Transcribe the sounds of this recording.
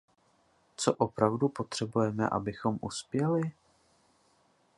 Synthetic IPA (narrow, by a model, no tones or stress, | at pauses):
t͡soʔopɾavdupo̞t̪r̝̥ɛbujɛmɛ̰ʔa̰bɪxo̞mʔuspjɛlɪ